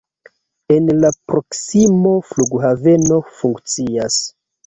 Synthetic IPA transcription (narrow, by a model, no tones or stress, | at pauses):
e̞nlapɾo̞ksimo̞fluɡhave̞no̞fuŋkt͡sias